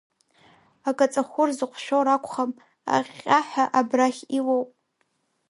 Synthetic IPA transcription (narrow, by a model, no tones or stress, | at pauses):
akʼat͡sʼaχʷʊrzɨqʷʰʃᶣoɾakʷʰχam | a̰ʁʲʼaħʷᶣaʔabraχʲiwowpʼ